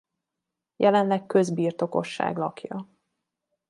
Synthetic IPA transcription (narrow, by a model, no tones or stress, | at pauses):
jʔɛlɛnlɛkkø̞zbiːrt̪o̞ko̞ʃːa̰ːɡlɒkjɒ